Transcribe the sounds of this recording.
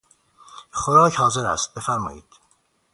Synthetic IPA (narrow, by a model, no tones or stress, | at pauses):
χoɾɒːchɒːze̞ɾæ̰st̪̚be̞fæɾmɒ̰ːjḭːd̪̥